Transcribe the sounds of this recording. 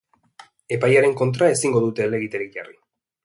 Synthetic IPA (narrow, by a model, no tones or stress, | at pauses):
e̞pajaɾe̞ŋko̞nt̪ɾae̞siŋɡo̞ðut̪e̞ːle̞ɣit̪eɾik̚ʝarḭ